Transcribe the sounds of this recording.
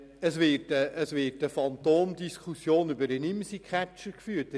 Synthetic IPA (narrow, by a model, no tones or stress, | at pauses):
əsʋɪɾtəʔəsʋɪːtəfɑnt̪oːmd̪iskʰusjoːnybəɾənɪmsikʰχæt͡ʃəɾkfyːtə